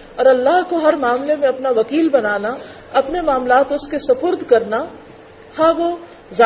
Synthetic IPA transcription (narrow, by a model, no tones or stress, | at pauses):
ɔːɾɐlːaːɦkoɦɐɾmaːmlemẽɐpnaʋɐkiːlbɐnaːna | ɐpnemaːmlaːt̪ʊskesɐpʊɾd̪ʱkɐɾna | hɐʋo | za